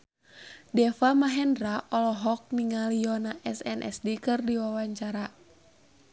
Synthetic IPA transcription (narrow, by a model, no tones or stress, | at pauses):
dɛfamaɦɛndɾaʔɔlɔɦɔk̚miŋaliɔnaʔɛsɛnʔɛ̰sdikɨrdiwawaɲt͡ʃaɾa